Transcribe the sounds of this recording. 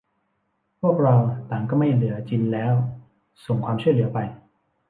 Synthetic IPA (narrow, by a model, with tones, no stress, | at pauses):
pʰu˥˩ək̚ɾa˧wt̪aː˨˩ŋkɔː˥˩ma˥˩jlɯ˩˦ɐt͡ɕi˧nlɛː˦˥w | so˨˩ŋkʰwaː˧mt͡ɕʰu˥˩əjlɯ˩˦ɐpa˧j